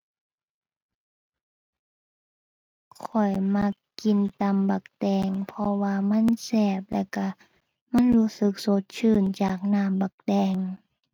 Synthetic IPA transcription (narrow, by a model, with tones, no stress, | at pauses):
kʰɔ˨˩jma˧˥kki˧˨nt̪a˧˥mba˨˩k̚dɛː˧ŋpʰɔ˧waː˧ma˧˥˨nsɛː˧˩p̚lɛ̰˧˩wka˧˩ | ma˧˥˨nhuː˧˥sɯ˨˧˦k̚so˧˦t̪̚t͡ɕʰɯː˧˩˨nt͡ɕaː˨˩k̚naː˧˥˨mba˨˩k̚dɛː˧˩ŋ